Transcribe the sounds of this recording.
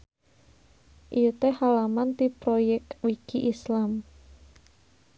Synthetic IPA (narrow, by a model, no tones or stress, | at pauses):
ʔijut̪ehalamant̪ipɾojɛk̚wiɡ̥iʔislam